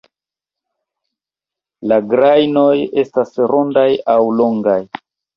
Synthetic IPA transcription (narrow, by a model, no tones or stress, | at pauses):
laɡɾajno̞je̞stasɾo̞ndajawlo̞ŋɡaj